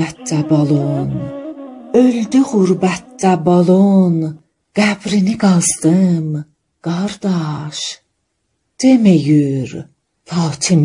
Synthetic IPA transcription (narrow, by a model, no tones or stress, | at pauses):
æt̪̚ːæbɑlˠon | øld̪yɣuɾbæt̪̚ːæbolˠon | ɡ̥æbɾiniɡɑzd̪ɯm | ɡ̥ɑɾd̪ɑʃ | d̪̥emejyɾ | fɑːt̪ʰim